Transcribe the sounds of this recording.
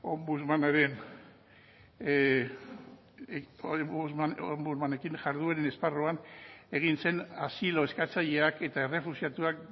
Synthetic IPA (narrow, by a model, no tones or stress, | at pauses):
ombuzmanaɾe̞n | uaombuzmane̞kiŋʝaɾðueɾene̞sparoane̞ɣ̞inse̞nasilo̞e̞skat͡saʎe̞ake̞t̪ae̞re̞fusiat̪uak